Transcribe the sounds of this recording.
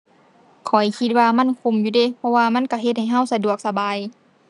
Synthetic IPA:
kʰɔ˨˩jkʰi˧t̪̚waː˧ma˧˥˨nkʰu˧˩˨mjuː˧deː˧˥˨pʰɔ˧waː˧ma˧˥˨nka˧˩ɦe˧t̪̚ha˨˩jɦa˧˥˩wsa˧du˨˩ək̚sa˧baː˨˦j

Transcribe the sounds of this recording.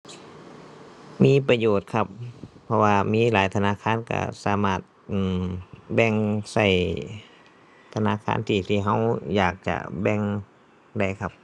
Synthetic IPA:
miː˧˥˨pa˧joː˨˩t̪̚kʰa˧p̚pʰːɔ˧waː˧miː˧˥˨laː˨˦jt̪ʰa˧naː˧˥˨kʰaː˧˥˨nka̰˧˩saː˨˦maː˧˩t̪̚ʔɯː˧˩mbɛ˧˩ŋsa˧˩j | t̪ʰa˧na̰ː˧˥˨kʰa̰ː˧˥˨nt̪ʰiː˧˩t̪ʰiː˧˩ɦa˧˥˩wjaː˨˩k̚t͡ɕa̰˧˩bɛ˧˨ŋ | da˧˩jkʰa˧p̚

